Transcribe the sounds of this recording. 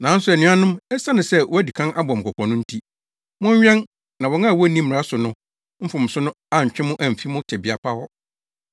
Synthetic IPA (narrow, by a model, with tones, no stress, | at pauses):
nã˨˦n˦sʊ˨ɛ˨nĩ˦a˦nʊ̃˦mɛ˦sa˦nʊ̃˨sɛ˦wɔ˦æ˦di˨kʰã˦nʔa˦bɔ̃˨m̩˨kʰɔ˨kʰɔ̃˨nʊ̃˦n̩˦tʰi˦ | mʊ̃˦ɲ˦ɥᶣɛ̃˦n | nã˨wɔ˨˦ŋã˦˨wɔ˦˨˦nĩ˦m˦m̩˨ɾa˦sʊ˨nʊ̃˦ | m̩˦fʊ̃˨m̩˨sʊ˦nʊ̃˦a˦ɲ̩˨t͡ɕᶣɪ̃˦mʊ̃˦ʔæ̃˨m̩˨fi˦mʊ̃˦tʰɛ˨bɪ˨a˨pʰa˦wɔ˦